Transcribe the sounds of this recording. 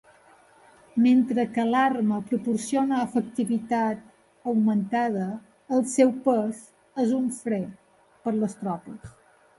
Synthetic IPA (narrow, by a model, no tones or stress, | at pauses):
ment̪ɾəkəlarməpɾupuɾsionəːfək̚t̪iβit̪at̪ | əwmənt̪aðəː | lˠsɛwpəz | ezuɱfɾɛt̪̚ | pəɾləst̪ɾɔpəs